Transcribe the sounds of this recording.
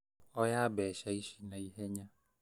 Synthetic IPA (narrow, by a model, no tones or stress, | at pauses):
ɔjabɛʃaiʃinãiɦeɲã